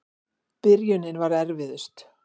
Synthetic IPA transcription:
pɪɾjʏnɪnvaɾɛɾvɪðʏst̪

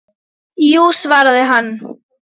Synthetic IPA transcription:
jusvaːɾaðɪɦanː

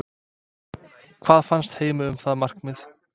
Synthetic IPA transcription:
kʰv̥aːðfanst̪heːjmɪʏmθaðmar̥kmɪð

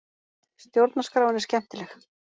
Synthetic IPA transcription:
st̪jowɾt̪naskɾaːwɪnɪ̥ɾscɛm̥t̪ɪlɛx

